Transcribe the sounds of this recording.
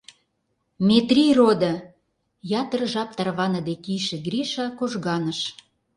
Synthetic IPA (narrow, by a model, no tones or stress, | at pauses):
met̪rʲirod̪ə̆ | jɑt̪ərʒɑp̚t̪ɑrβɑnəd̪ekijʃĕɡrʲiʃɑkoʒɣɑnəʃ